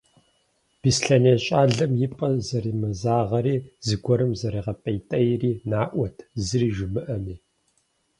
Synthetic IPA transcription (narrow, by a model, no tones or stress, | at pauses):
b̥isɬɐneːɕʼaːɮɐmjɪpʼɐzɐriːmɐzaːʁɐɾiːzɨɡʷɔɾɨmzɐɾiːʁɐpʼɐjtʼɐjriːnaːʔʷɔtʰzɨriːʒɪmɨʔɐmiː